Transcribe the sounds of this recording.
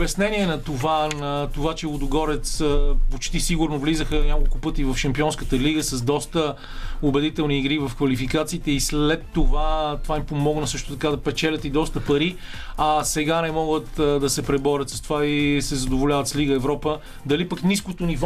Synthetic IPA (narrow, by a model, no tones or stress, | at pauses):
bjɐsnɛniɛnɐt̪ovanɐt̪ovat͡ʃɛod̪ʊɡɔɾɛt̪spot͡ʃt̪isiɡʊɾnovlizəxənʲakolˠkʊpɤt̪ivɐfʃɐmpiɔnskət̪əliɡəsɐzd̪ɔst̪ə | obɛd̪it̪ɛlˠniːɡɾivɐfkvɐlifikat̪siːt̪ɛisllɛt̪ːovat̪ovanipomɔɡnəsɤʃt̪ʊt̪ɐkad̪ɐpɛt͡ʃɛlʲət̪id̪ɔst̪əpɐɾiɐsɛɡanɛmɔɡət̪d̪ɐsɛpɾɛbɔɾʲət̪sɐst̪ovaisɛzɐd̪ovolʲavət̪sliɡəɛvɾɔpə | d̪ɐlipəkniskot̪oniv